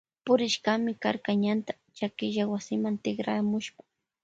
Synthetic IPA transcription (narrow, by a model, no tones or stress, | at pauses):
pʊɾɪʃɢamɪkaɾkaɲant̪ḁ | t͡ʃakɪʒawasɪmant̪ɪχɾa̰mʊʃpḁ